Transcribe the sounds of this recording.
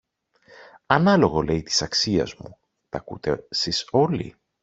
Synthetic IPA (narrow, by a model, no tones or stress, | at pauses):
ɐnɐlo̞ɣo̞le̞jt̪i̥sɐksiɐ̰zmu | t̪ɐkṵt̪e̞siso̞lḭ